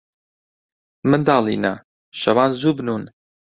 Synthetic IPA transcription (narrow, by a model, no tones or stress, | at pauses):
mɨnd̪ɑːlˠḭːna̰ | ʃɐwaːnzuːbnun